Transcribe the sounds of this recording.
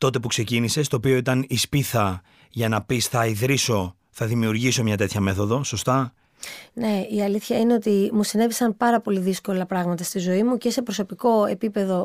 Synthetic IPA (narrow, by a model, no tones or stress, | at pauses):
t̪o̞t̪e̞pukse̞cinise̞st̪oːpio̞it̪ɐnispiθɐ | ʝɐnɐpisθɐiðɾiso̞ | θɐðimiuɾʝiso̞mɲɐt̪e̞t̪ʰçɐme̞θo̞ðo̞so̞st̪ɐ | ne̞iɐliθçɐine̞o̞t̪imusinevisɐnpɐɾɐpo̞liðisko̞lɐpɾɐɣmɐt̪ɐst̪izo̞imuce̞se̞pɾo̞so̞piko̞e̞pipe̞ðo̞